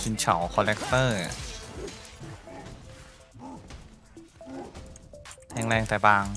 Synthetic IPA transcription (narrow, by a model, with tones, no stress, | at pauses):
si˧nt͡ɕʰa̰˩˦wkʰɔː˧lɛ˦˥k̚t̪ɤː˥˩ | t̪ʰɛː˧ŋlɛː˧ŋt̪ɛː˨˩baː˧ŋ